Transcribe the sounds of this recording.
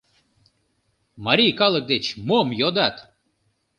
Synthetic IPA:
maɾʲikɑlˠək̚d̪et͡ʃmomjod̪at̪

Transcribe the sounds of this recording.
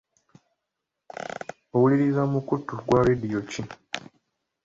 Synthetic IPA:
owuliɾizamukutuɡwaɾedijoci

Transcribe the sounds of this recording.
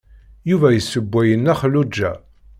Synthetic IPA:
juvæjəsːəbʷːæjənːæχlud͡ʒːæ

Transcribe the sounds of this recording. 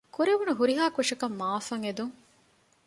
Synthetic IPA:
kuɾeʋunuɦuɾiɦaːkʋɐʂɐkɐmːaːfɐŋed̪uŋ

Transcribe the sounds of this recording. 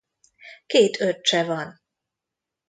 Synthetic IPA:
keːt̪ʰøtt͡ʃɛvɒn

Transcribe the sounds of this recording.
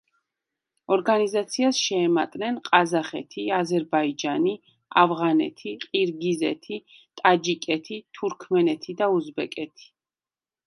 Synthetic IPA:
ɔɾɡanizat̪sʰiasʃɛːmat̪ʼnɛnqʼazaχɛ̰t̪ʰiazɛɾbaid͡ʒani | a̰vʁanɛ̰t̪ʰiqʼiɾɡizɛ̰t̪ʰi | t̪ʼad͡ʒikʼɛt̪ʰit̪ʰuɾkʰmɛnɛt̪ʰid̪auzbɛkʼɛt̪ʰi̥

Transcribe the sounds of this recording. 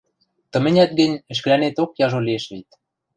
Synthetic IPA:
t̪ə̆mɘ̆nʲæt̪̚ɡə̆nʲɘ̆ʃ̬kɘ̆lænet̪okjɑʒolieʃβit̪̚

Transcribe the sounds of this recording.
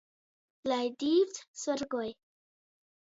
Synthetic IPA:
lajdivtsɔɾɡoj

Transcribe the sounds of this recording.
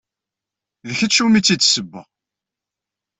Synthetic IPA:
ðəçət͡ʃːumit͡sːisəbːə̰

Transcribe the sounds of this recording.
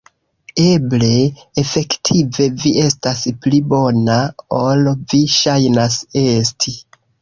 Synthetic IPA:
e̞ble̞ːfe̞ktʰive̞viʔe̞stasplibo̞naolviʃajnase̞stʰi

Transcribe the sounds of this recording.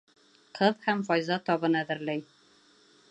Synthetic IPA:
qʰɤðhamfɒjzɑt̪ʰɒbɤnæðɪɾlæj

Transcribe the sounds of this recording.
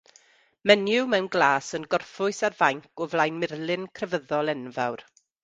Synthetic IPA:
mɛnjʊwmɛwnɡlˠaːsənɡɔrfʊɨsarvajŋkʊvlˠajnmɪrlˠɪnkʰrɛvəðɔlˠɛnvawr

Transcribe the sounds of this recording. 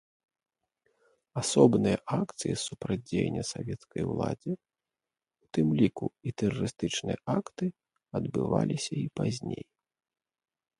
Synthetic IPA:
asɔbnɨjɐʔakt̪sɨjisupɾad͡zʲejnʲːɐsavʲɛt̪skɐjwlˠa̰d͡zʲi | ut̪ɨmlʲikuit̪ɛrɐɾɨst̪ɨt͡ʂnɨjɐʔakt̪ɨ | ɐd̪bɨvalʲisʲɐipazʲnʲej

